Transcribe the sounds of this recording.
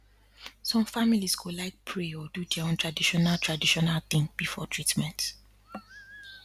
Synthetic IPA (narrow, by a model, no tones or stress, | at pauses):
sɔ̃mfamiliskʰulaɪk̚pʰɹeɔdudɛõntʰɹadiʃɔnaltʰɹadiʃɔnalt̪ĩŋb̥ifɔ̰tʰɹitmɛ̃nt